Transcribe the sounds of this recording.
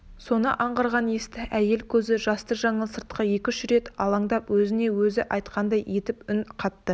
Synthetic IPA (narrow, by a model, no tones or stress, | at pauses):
so̞nə̰ʔɑɴʁɑɾʁɑnje̞st̪ɪʔæje̞lkʲʰɵzɪʒɑst̪əʒɑɴəlˠsəɾt̪̚qəje̞kʲɪʃɾe̞t̪ɑlˠɑŋd̪ɑpwɵzɪne̞wɵzɪʔɑjt̪qɑnd̪ɑje̞t̪ɪpʏnqʰɑt̪ːə